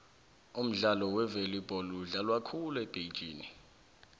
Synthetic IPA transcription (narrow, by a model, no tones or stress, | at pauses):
um̩ɮalɔwɛvelib̥ʱɔluɮalwakʰulɛb̥ʱejd̥ʒ̥ʱiːni